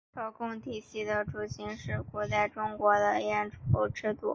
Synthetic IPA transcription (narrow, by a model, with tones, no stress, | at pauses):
kɑ˥˩ʊkʊ˥˧ŋt̪ʰi˨˥˩ɕi˥˩d̪ə˧ʈ͡ʂu˧˩ɕi˧˥nʂɻ̩˥˩kwɔ˧˥t͡sa˥˩ɪʈ͡ʂʊ˥ŋkwɔ˧˥d̪ə˧˥˧ɛ˥˩nʈ͡ʂu˧˩xo˧˥˩ʈ͡ʂɻ̩˥˧t̪ṵ˥˩˦